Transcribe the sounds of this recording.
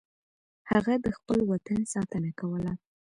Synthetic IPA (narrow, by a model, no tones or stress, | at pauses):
haɣad̪əxpəlwat̪ansɑt̪ənakawəla